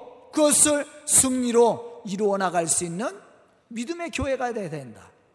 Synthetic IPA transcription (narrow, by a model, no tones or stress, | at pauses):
kɯɡʌsʰɯɭsʰɯŋɲiɾoiɾuʌnaɡaɭs͈uinːɯn | midɯme̞kjoɦe̞ɡadedwenda̰